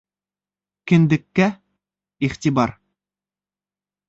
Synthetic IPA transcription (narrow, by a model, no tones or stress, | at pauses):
kɘ̆nd̪ɘ̆kːæ | iχt̪ibɑɾ